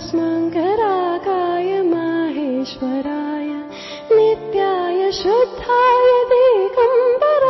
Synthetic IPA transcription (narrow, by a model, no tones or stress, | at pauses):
smɐŋkɐɾaːkaːjɐmaːɦeːʃʋɐɾaːjɐ | nit̪jaːjɐʃɐd̪ʱːaːjɐt̪ikɐmp̪ɐɾ